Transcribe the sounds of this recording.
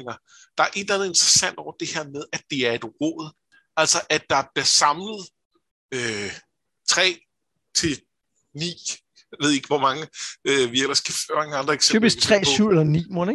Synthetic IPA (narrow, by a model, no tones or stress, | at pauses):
ŋɐ | d̥ɑ̈ɐʔe̝d̥lænð̩ˠe̝nd̥ʁɐsæn̰d̥ɒ̰ʊ̰ɐd̥e̝heɐ̰með̞ˠæd̥e̝æɐe̝d̥ʁɔ̰ːð̞̩ˠ | æl̰sɐʔæ̥d̥ɑ̈b̥liɐsɑ̈mləð̞̩ˠ | ø | t͡sʰʁɛ̰ː | t͡sʰe̝ | nḭː | ʋe̝ð̰ˠeɡ̥ʋɒmɑ̈ŋəøʋiel̰ɐsɡ̥æfɑ̈ŋəɑ̈nd̥ʁɐeɡ̥seyːb̥isɡ̥̚t͡sʰʁɛ̰ːsy̰elɐnḭːmɔne